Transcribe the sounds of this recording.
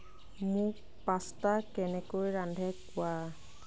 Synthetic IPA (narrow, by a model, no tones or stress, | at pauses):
mʊk | pastakɛnɛkojɹandʱɛkʊwa